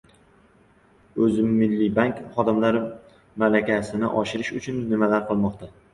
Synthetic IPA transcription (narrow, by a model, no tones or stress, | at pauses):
ɵzɪmːɪlːɪbaŋkχɒd̪ɪmlaɾ | malakʲasɪnɪʔɒʃɪɾɪʃʊt͡ʃʰʊnːɪmalaɾqʰɨlˠmɒqt̪ʰa